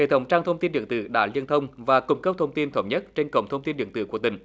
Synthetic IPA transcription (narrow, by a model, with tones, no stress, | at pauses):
ḛ˧˨t̪ʰə˨˦wŋ͡mt͡ɕaː˧ŋt̪ʰə˧wŋ͡mt̪i˧nɗḭ˧˨əŋt̪ɨ̰˧˩ɗa̰ː˧˥li˧ənt̪ʰə˧wŋ͡mvaː˨˩kʊ˧ŋ͡mkə˦˥p̚t̪ʰə˧wŋ͡mt̪i˧nt̪ʰə˧˦wɲə˦˥t̚t͡ɕe˧nkə̰˧˨wŋ͡mt̪ʰə˧wŋ͡mt̪i˧nɗḭ˧˨əŋt̪ɨ˧˩ku˧˩ət̪ï˧˩ŋ